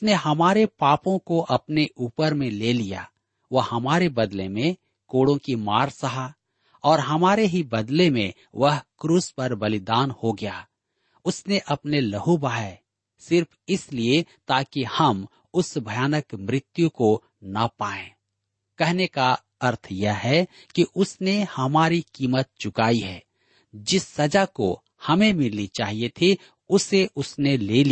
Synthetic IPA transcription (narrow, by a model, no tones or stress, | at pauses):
ʊsneɦɐmaːɾepaːpõkoʔɐpneʔuːpəɾmẽleːlija̰ | ʋɐɦhɐmaːɾebɐd̪lemẽ | koːɽõkimaːɾsɐɦa | ɔːɾɦɐmaːɾeɦibɐd̪lemḛ̃ | ʋɐɦkɾuːspɐɾbɐlɪd̪aːnhoɡɐjaː | ʊsneʔɐpnelɐɦubaːe | sɪɾpʰɪsliet̪aːkihɐm | ʊsbʱɐjaːnəkmɾɪt̪jũko | nɐpaːẽː | kɛɦneka | ɐɾt̪ʰjəɦɛ | kiʔʊsnehɐmaːɾikiːmət̪̚t͡ʃʊkaːiɦɛː | d͡ʒɪsːɐd͡ʒako̰ | hɐmẽmɪlnit͡ʃaːɦiet̪ʰi | ʊseʔʊsneleːli